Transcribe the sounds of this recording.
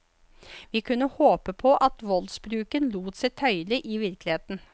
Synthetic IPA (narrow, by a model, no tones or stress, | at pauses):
ʋiːkʰʉnːəhoːpəpʰɔʔɑt̪ʋɔlsbɾʉːkənluːt̪sæɪt̪ʰœʏlɪʔɪʋɪɾklɪheːt̪n̩